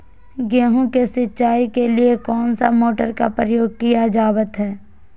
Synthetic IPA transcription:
ɡɛːɦõkesɪtːʃaːikeliekɔːnsamoːʈəɾkapɾəjoːɡ̚kijad͡ʒaːbət̪ɦɛː

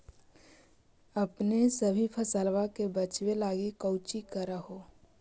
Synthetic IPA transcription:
ɐpnesəbʱipʰəsəːlwakebət͡ʃwelaːɡikəʊt͡ʃikəɾaɦoː

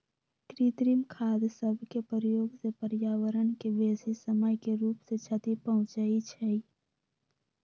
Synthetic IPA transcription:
kɾit̪ɾimkʰaːd̪səbʱkepəɾjoːɡsepəɾjaːwəɾənkeʋeːsisəməjkeɾuːpset͡ʃʰət̪ipəɦʊ̃t͡ʃait͡ʃʰɛi

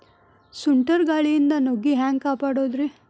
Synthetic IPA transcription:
suɳʈɐɾɡaːɭijind̪ɐnoɡiɦaːŋkaːpaːɽoːd̪ɾe

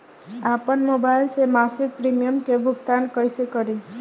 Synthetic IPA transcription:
apənmobajlsemasik̚pɾimijəmkebʱʊkt̪ankəjsekəɾi

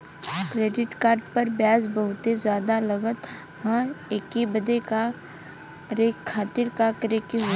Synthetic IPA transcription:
kɾeːɖɪʈkaːɾɖpɐɾbjaːzbəɦʊt̪ezjaːd̪alɐɡət̪ | ɦãekibəd̪eka | ɾekʰːaːt̪ɪɾkakɾekiɦʊ

